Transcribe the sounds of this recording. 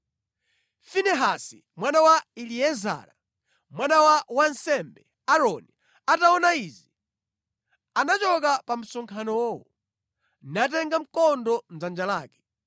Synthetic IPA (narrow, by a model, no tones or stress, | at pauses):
finɛɦasḭ | mwanawailiɛza̰ːɾa | mwanawawansɛmbɛ | aɾɔni | ataɔnaizi | anat͡ʃɔk̬apam̩sɔŋkʰanɔwɔwɔ | nat̬ɛŋɡam̩kɔndɔn̩zand͡ʒalaːkɛ̥